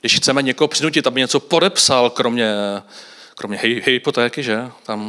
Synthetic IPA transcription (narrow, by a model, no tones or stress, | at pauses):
ɡdɪʃxt͡sɛmɛɲɛkoɦopr̥ɪnucɪt̪ʔabɪɲɛt͡so̞po̞dɛpsalkɾo̞mɲɛ | kɾo̞mɲɛɦɪhɪpot̪ɛːkɪʒɛt̪am